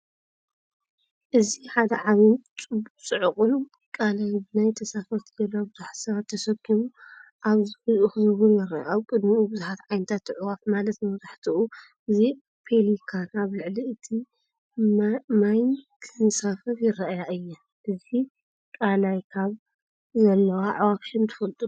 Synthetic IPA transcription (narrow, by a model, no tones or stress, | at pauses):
ʔɨziħad̪ɐʕaβɨnt͡sʼɨbut͡sʼɨʕɨχʼul | kʼalajbɨnajt̪ʰɐsafɐt̪dɐlabɨzuħsɐβat̪ʰːɐsɐkʰːimuʔaβzɨħɨzuxɨzɨβunjɪɾɐʔaβkʼɨd̪miubɨzuħat̪ʕajnɨt̪ʰat̪ːɨʕuwafmalɐt̪mɐβzaħt̪ʰɨʔu | ʔɨzi | pʰelikʰanaβlɨʕliɨt̪ʰi | majnkʰɨzɨnsafɐɾjɪɾɐʔjaʔɨjːa | ʔɨzi | kʼalajkʰaβ | zɐlːɐwaʕuwafʃɨnt̪ʰɨ̥fɐlt̪ʼuu